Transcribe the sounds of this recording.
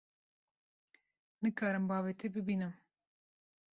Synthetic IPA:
nɨkʰɑːɾɨmbɑːvet̪ʰebɨbiːnɨm

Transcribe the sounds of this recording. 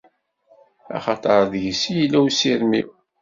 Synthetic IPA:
ɑ̰χɑt̪ˤɑɾˤðʝsijilːæwsiɾmḭw

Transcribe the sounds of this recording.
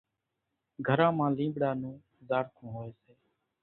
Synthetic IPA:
ɡʱəɾãːmãːlĩːbɽaːnũː | zaːɾk̪ʰõːɦoːeːseː

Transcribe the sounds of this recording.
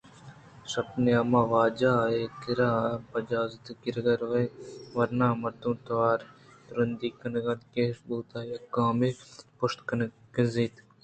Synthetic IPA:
sɐpneɐmaːʋaːd͡ʒaːek̪ɪɾaːpɐd͡ʒaːzt̪kɪɾɡɐɾʋɐjʋɐɾnaːmɐɾt̪ũːt̪ʋaːɾɾɐnd̪iːkɐnɡɐd̪keːsbuːt̪aːjɐkãːmepʊʃt̪kɐnkiziːt̪

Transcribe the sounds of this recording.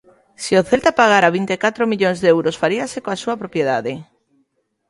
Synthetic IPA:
sioθelt̪apaɣ̞aɾaβ̞int̪ekat̪ɾomiʎoŋzðɛwɾosfaɾiasekoasuɐpɾopjeðaðɪ

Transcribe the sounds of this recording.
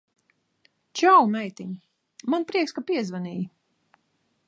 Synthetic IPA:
t͡ʃawlmɛjt̪iɲi | manpɾiɛkskapiɛzvaniːji

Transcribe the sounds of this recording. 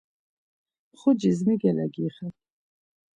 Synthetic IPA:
χʊd͡ʒizmiɡɛlɛɡiːχɛtʰʼ

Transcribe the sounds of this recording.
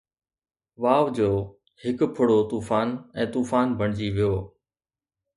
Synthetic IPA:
ʋaːʋd͡ʑoː | hɪkpʰʊɽot̪uːfaːnɛ̃ːt̪uːfaːnbʱəɳ̃d͡ʑiʋijoː

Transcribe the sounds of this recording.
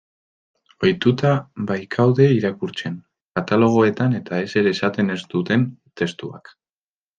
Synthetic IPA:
ojt̪ut̪abajkʰawðe̞iɾakuɾt͡se̞n | kat̪alo̞ɣ̞o̞e̞t̪ane̞t̪ae̞se̞ɾeːsat̪e̞ne̞st̪ut̪e̞nt̪e̞st̪ua̰k

